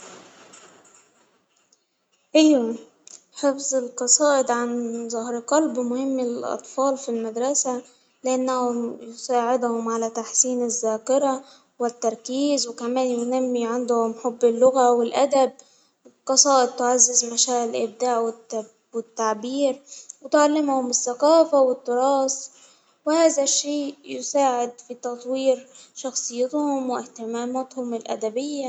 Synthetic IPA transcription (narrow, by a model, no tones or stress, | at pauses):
ʔajːa | ħefzɪlqɑsˤɑːʔɪd̪ʕanzˤɑhɾqɑlbmʊhɪmːɪlʔɑ̰t̪ˤfɑːlfilmad̪ɾˤɑsa | lɪʔanːæhʊmjʊsaːʕɪd̪hʊmʕalæt̪aħsiːnɪzːæːkɪɾˤɑ | wɪt̪ːɑɾˤkiːzwɪkæmæːnjʊnæmːiʕand̪hʊmħobːɪlːʊɣawɪlʔad̪ab̚ | qɑsˤɑːʔɪd̪̚t̪ːʊʕazːɪzmaʃaːʔɪlʔɪb̚d̪aːʕwɪ | wɪt̪ːaʕbiːɾwt̪ʕalːɪmhʊmɪsːaqaːfawɪt̪ːʊɾˤɑːs | wɪhaːðaʃːeːjʊsaːʕɪd̪fit̪ɑt̪ˤwiːɾʃɑxsˤɨjːɪt̪hʊmwɪht̪ɪmaːmat̪hʊmɪlʔa̰d̪abɪjːa